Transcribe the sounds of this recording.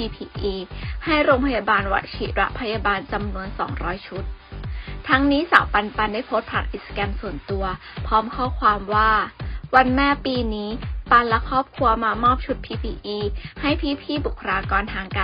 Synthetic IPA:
iː˧pʰiː˧ʔiː˧ha˥˩jɾoː˧ŋpʰa˧jaː˧baː˧nwa̰˨˩t̪̚t͡ɕʰiː˨˩t̪̚ɾa̰˦˥ʔpʰa˧jaː˧baː˧nt͡ɕa˧mnu˧ənsɔ̰ː˩˦ŋɾɔː˦˥jt͡ɕʰu˦˥t̪̚ʰ | a˦˥ŋniː˦˥sa̰ː˨˩˦wpa˧npa˧nda˥˩jpʰo˦˥t̪̚pʰa̰ː˧˩kʔi˨˩t̪̚skɛː˧msu˨˩ənt̪u˧ɐ | pʰɔː˦˥mkʰɔː˥˩kʰwaː˧mwaː˥˩wa˧nmɛː˥˩piː˧niː˦˥pa˧nlɛ˦˥kʰɔː˥˩p̚kʰu˧ɐmaː˧mɔː˥˩p̚t͡ɕʰu˦˥t̪̚pʰiː˧pʰiː˧ʔiː˧ha˥˩jpʰiː˧˩pʰiː˥˩bu˨˩kʰɾaː˧kɔː˧nt̪ʰaː˧ŋka˧

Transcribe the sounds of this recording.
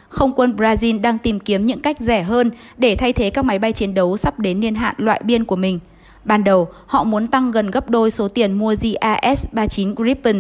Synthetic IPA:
xə˧wŋ͡mkwə˧nbzaː˧zi˧nɗaː˧ŋt̪i˨˩mki˨˦əmɲɨ̰˧˥ŋka˦˥jk̟̚zɛ˧˩ɦəː˧nɗe˧˩t̪ʰa˧jt̪ʰe˨˦kaː˦˥k̚ma˨˦jɓa˧jt͡ɕi˨˦ənɗə˨˦wsa˦˥p̚ɗe˨˦nːi˧ənɦa̰ː˧˨nlwa̰ː˧˨jɓi˧ənku˧˩əmï˨˩ŋ̟ | ɓaː˨˩nɗə˨˩whɔ̰˧˨mu˨˦ənt̪a˧ŋɣə˨˩nɣə˦˥p̚ɗo˧jso˨˦t̪i˨˩ənmu˧əzi˧ʔaː˧ʔɛ˦˥sɓaː˧t͡ɕi˨˦nɡɹi˦˥pːə˧˩n

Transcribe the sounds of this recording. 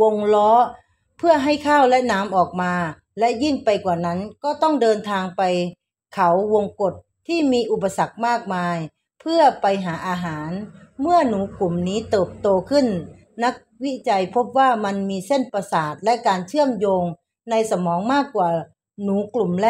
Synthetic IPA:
o˧ŋlɔː˦˥ | pʰɯ˥˩ɐɦa˥˩jkʰaː˥˩wlɛ˦˥ʔnaː˦˥mʔɔː˨˩k̚maː˧ | lɛ˦˥ʔji˥˩ŋpa˨jkwaː˨˩na˦˥nkɔː˧˥˩t̪ɔ˥˩ŋdɤː˧nt̪ʰaː˧ŋpa˨j | kʰa˨˦wwo˧ŋko˨˩t̪̚ʰːiː˥˩miː˧ʔu˨˩pːa˧sa˨˩k̚maː˥˩k̚maː˧j | pʰɯ˥˩ɐpa˨jɦaː˩˦ʔaː˧ɦaː˩˦nmɯ˥˩ɐnuː˩˦klu˨˩mniː˦˥t̪ɤː˨˩p̚t̪oː˧kʰɯ˧˥˩nː | a˦˥k̚wi˦˥t͡ɕa˨jpʰo˦˥p̚waː˧˥˩ma˧nmiː˧se˥˩˨npa˧saː˨˩t̪̚lɛ˦˥ʔkaː˨nt͡ɕʰɯ˥˩əmjoː˧ŋ | na˧jsa˧mɔː˨˦ŋmaː˥˩kːwaː˨˩ | nuː˩˦klu˨˩mlɛ˦˧

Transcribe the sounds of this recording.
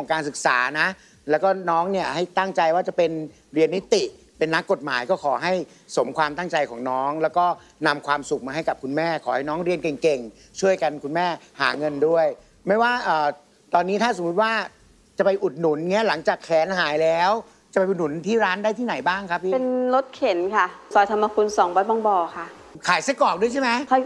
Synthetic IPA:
ŋkʰɔː˩˦ŋkaː˧nsɯ˨˩k̚sa̰ː˩˦na˦˥ | lɛː˦˥wkɔː˥˩nɔː˦˥ŋni˥˩ɐha˥˩jt̪a˥˩ŋt͡ɕa˧jwaː˥˩t͡ɕa˨˩pe˧n | ɾi˧ənːi˦˥t̪i˨˩ | pe˧nːa˦˥kːo˨˩t̪̚ma̰ː˩˦jkɔː˥˩kʰɔː˩˦ɦa˥˩j | so˩˦mkʰwaː˧mt̪a˥˩ŋt͡ɕa˧jkʰɔ̰ː˩˦ŋnɔː˦˥ŋlɛː˦˥wkɔː˥˩ | na˧mkʰwaː˧msu˨˩k̚maː˧ɦa˥˩jka˨˩p̚kʰu˧nmɛː˥˩kʰɔː˩˦ha˥˩jnɔː˦˥ŋɾi˧ənke˨˩ŋke˨˩ŋ | t͡ɕʰu˥˩əjka˧nkʰu˧nmɛː˥˩ha̰ː˩˦ŋɤ˧ndu˥˩əj | ma˥˩jwaː˥˩ʔɤː˨˩ | t̪ɔː˧nːiː˦˥t̪ʰaː˥˩so˩˦u˦˥t̪̚waː˥˩ | t͡ɕa˨˩pa˧jʔu˨˩t̪̚nu˨˩˦nŋi˦˥ɐla˩˦ŋt͡ɕaː˨˩kʰːɛː˨˦nɦaː˩˦jlɛː˦˥w | t͡ɕa˨˩pa˧jʔu˨˩nu˨˩˦nt̪ʰiː˥˩ɾaː˦˥ndaː˥˩t̪ʰiː˥˩na˩˦jbaː˥˩ŋkʰa˦˥p̚ʰiː˥˨e˩˧nlo˦˥t̪̚kʰe˨˩˦nkʰa˥˩sɔː˨˦jt̪ʰa˧mːa˧kʰu˧nsɔː˩˦ŋbɔː˨˦˥t̚bɔː˧ŋbɔː˨˩kʰa˥˩ | kʰaː˨˩˦jsa˦˥kɔː˨˩p̚du˥˩ət͡ɕʰa˥˩ma˦˥kʰɔ˧˥

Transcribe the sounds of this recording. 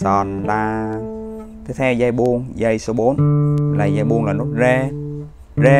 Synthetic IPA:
sɔ˨˩nlaː˨˩ | t̪ʰi˦˥t̪ʰɛ˧wzaː˧jɓu˧əŋza˧jso˧ɓo˨˦nlaː˨˩jaː˧jɓu˧əŋlaː˨˩no˨˦˥t̚ze˧ | ze˧

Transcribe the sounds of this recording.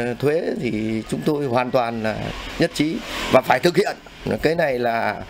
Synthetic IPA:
t̪ʰwe˨˦t̪ʰi˨˩t͡ɕʊ˨˦ŋ͡mt̪o˧jhwaː˨˩nt̪waː˨˩nla̰ː˨˩ɲə˦˥t̚t͡ɕi˨˦vaː˨˩faː˧˩jt̪ʰɨ˨˩k̚hḭ˧˨ən˨˦ | kaː˨˦jna˨˩jlaː˨˩

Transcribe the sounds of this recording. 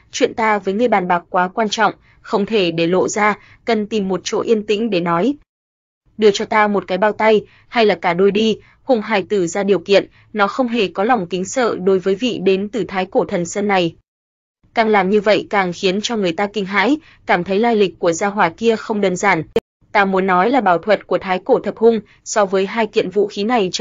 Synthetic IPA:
t͡ɕwḭ˧˨ənt̪aː˧vəː˨˦jŋɨ˧əjɓaː˨˩nɓaː˨˩k̚kːwaː˨˦kwaː˧nt͡ɕɔ̰˧˨wŋ͡m | xə˧wŋ͡mt̪ʰe˧˩ɗe˧˩lo̰˧˨zaː˧ | kə˨˩nt̪i˨˩mːo˨˩t̚t͡ɕo̰˧˥ʔi˧ənt̪ḭ̈˧˥ŋ̟ɗe˧˩nɔ˨˦j | ɗɨ˧˩ət͡ɕɔ˧t̪aː˧mo˨˩t̚kaː˨˦jɓaː˧wt̪a˧j | ha˧jlaː˨˩kaː˧˩ɗo˧jɗi˧ | hʊ˧˩ŋ͡mɦaː˧˩jt̪ɨ˧˩zaː˧ɗi˨˩əwkḭ˧˨ən | nɔ˨˦xə˧wŋ͡mɦe˧˨˩kɔ˨˦la˨˩wŋ͡mkï˨˦ŋ̟sə̰ː˧˨ɗo˨˦jvəː˨˦jvḭ˧˨ɗe˨˦nt̪ɨ˨˩t̪ʰaː˨˦jko˧˩t̪ʰə˨˩nsə˧nːa˨˩j | kaː˨˩ŋlaː˨˩mɲɨ˧və̰˧˨jkaː˨˩ŋxi˨˦ənt͡ɕɔ˧ŋɨ˨˩əjt̪aː˧kï˧˩ŋ̟ɦa̰ː˧˥j | kaː˧˩mt̪ʰə˨˦jlaː˧jlï˨˩k̟̚kːu˧˩əzaː˧ɦwaː˧˩ki˧əxə˧wŋ͡mɗəː˧nzaː˧˩n | t̪aː˧mu˨˦ənːɔ˨˦jlaː˨˩ɓaː˧˩wt̪ʰwə˨˩t̚ku˧˩ət̪ʰaː˨˦jko˧˩t̪ʰə˨˩p̚hʊ˧ŋ͡m | sɔ˧vəː˨˦jɦaː˧jkḭ˧˨ənvṵ˧˨xi˨˦na˨˩j

